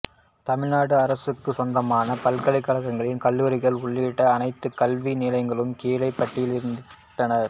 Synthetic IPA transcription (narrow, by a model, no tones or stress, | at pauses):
t̪ɐmɪɻnaːɽɯɐɾɐsɯkːɯsɔndrɐmaːnɐpɐlkɐɭɪkːɐɭɐkːɐŋɡɐɭɪnkɐlːuːɾɪɣɐɭʊɭːiːʈːɐːnɐɪt̪ːɯkɐlʋinɪlɐɪŋɡɐɭɯmkeːlɐɪpːɐʈːɪjɪlɪɾɯnd̪ɪtrɐnɐɾ